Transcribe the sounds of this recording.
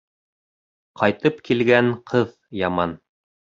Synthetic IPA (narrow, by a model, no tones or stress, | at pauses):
qʰɑjt̪ɤpkʰilɡæɴqʰɤð | jɑmɑn